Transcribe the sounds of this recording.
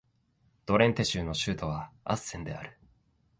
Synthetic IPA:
d̪̥o̞ɾẽ̞nt̪e̞ɕɨːno̞ɕɨːt̪oβaa̰sẽ̞nd̪e̞̰a̰ɾɯ̟̥

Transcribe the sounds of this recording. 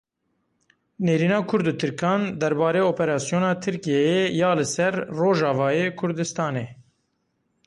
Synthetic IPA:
neːɾiːnɑːkʰʊɾd̪ɨt̪ʰɨɾkʰɑːnd̪ɛɾbɑːɾeːoːpɛɾɑːsijoːnɑːt̪ʰɨɾkijɛjejɑːlɨsɛɾroːʒɑːvɑːjeːkʰʊɾd̪ɨst̪ɑːneː

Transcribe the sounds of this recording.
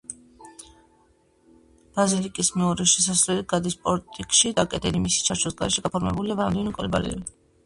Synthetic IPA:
b̥azilikʼismɛuɾɛʃɛs̬asɾlɛlit̪̚ɡad̪ispʼɔɾt̪ʼikʼʃid̪akʼɛd̪ɛlimisi̥t͡ʃʰaɾt͡ʃʰɔsɡaɾɛʃɛɡapʰɔɾmɛ̰buliavɾamd̪ɛnkʼɛ̰lba̰lɛ̰vi

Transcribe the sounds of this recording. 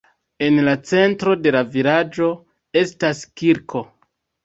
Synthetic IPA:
e̞nlat͡se̞ntɾo̞de̞lavilad͡ʒo̞ | e̞staskiɾkʰo̞

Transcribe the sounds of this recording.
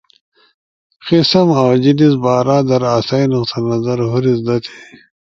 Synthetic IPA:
qisɐmawd͡ʑinis̬baːɾaːd̪ɐɾaːsainuqt̪ʰɐnɐzɐɾɦuɾizd̪ɐt̪ʰe̥

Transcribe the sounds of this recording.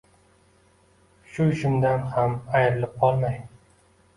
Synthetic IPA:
ʃʊɪʃɪmd̪anhamajɾɪlɪp̚qʰɒlˠmaj

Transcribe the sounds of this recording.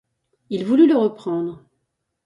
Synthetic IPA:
ilvulyləʁəpχɑ̃ːd̪ʁ

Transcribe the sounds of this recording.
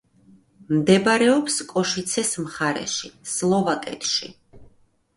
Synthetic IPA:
md̪ɛbɾɛɔpskʼɔʃit̪sʰɛsmχaɾɛ̰ʃislˠɔvakʼɛ̰t̪ʰʃi

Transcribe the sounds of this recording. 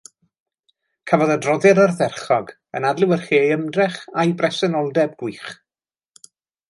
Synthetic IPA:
kʰəvɔðədrɔðɛɾərðɛrχɔɡ | ə̰nadlˠɪwərχiəjəmdrɛχajbrɛsɛnɔlˠdɛb̚ɡwiːχ

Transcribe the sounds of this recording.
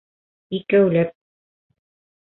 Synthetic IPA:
ikæwlæp̚

